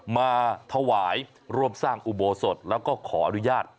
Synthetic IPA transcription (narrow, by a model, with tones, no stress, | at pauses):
maː˧t̪ʰa˧waː˩˦j | ɾu˥˩əmsaː˥˩ŋʔu˨˩boː˧so˨˩t̪̚lɛː˦˥wkɔː˥˩kʰɔː˩˦ʔa˧nu˦jaː˥˩t̪̚